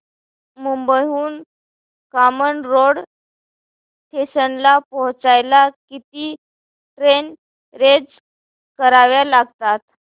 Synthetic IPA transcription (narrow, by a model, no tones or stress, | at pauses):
mumbəjuːn | kamənɾoɽ | ʈeɕənlapɔɦt͡sajlakit̪iː | ʈɾen | ɾed͡z | kəɾaʋjalaɡt̪at̪